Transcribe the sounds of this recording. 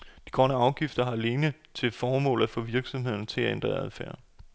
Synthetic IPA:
d̥iɡ̥ʁɶnəɑ̈ʊɡ̥ifd̥ɐɦɑ̈le̝ːnət͡sʰe̝lfɒːmɔ̰̽ːlˠæfɔ̽ʋiɐɡ̥sɒ̽mɦe̝ð̞̰ˠɐnət͡sʰe̝læend̥ʁɐæðˠfæɐ̰

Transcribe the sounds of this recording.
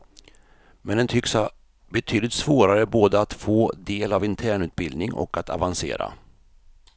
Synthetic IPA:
mɛnd̪ɛnt̪ʰʏksa | bɛt̪ʰyːd̪lɪt̪svoːɾaɾəboːd̪əat̪foːd̪eːlavɪnt̪ʰæːɳʉ̟ːt̪̚bɪld̪nɪŋɔ̰kat̪ʰa̰vansḛːɾa̰

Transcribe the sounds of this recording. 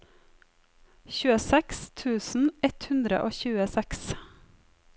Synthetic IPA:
çʉːəsɛkst̪ʰʉːsn̩ɛt̪hʉnd̪ɾə̰ʔoːçʉːəsɛks

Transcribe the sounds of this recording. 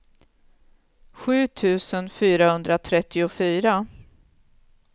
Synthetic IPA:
ɧʉ̟ːt̪ʰʉ̟ːsənfyːɾahɵnd̪ɾat̪ʰɾɛt̪ʰːɪʊfyːɾa

